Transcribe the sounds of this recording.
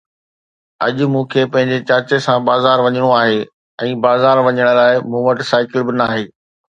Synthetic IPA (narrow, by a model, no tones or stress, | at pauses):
ɐ̰ʄʊ̆mũːkʰeːpɐ̃ɦɪ̃ɲd͡ʑet͡ɕɐɾt͡ɕesãbaːzaːɾʋɐɲəɽ̃oaːɦeː | ɛ̃ːbaːzaːɾʋɐɲəɽ̃laːɪmũːʋəʈsaːɪkɪlbɪnaːɦeː